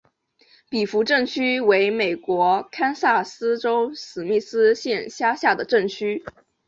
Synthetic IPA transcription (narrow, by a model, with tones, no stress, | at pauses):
pi˨˩fu˧˥ʈ͡ʂɤ˥˩ŋt͡ɕʰy˥we˧˥ɪme˨˩ɪkwɔ˧˥kʰa˥nsa˥˩sɹ̩˥ʈ͡ʂo˥ʊsɹ̩˨˩mi˥˩sɹ̩˥ɕjɛ˥˩nɕja˥ɕja˥˩d̪ə˩ʈ͡ʂɤ˥˩ŋt͡ɕʰy˥